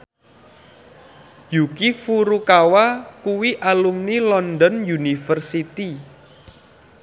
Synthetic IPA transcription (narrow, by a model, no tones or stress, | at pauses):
jukifuɾukawakuwiʔalumnilɔnd̪ɔnjunifərsit̪i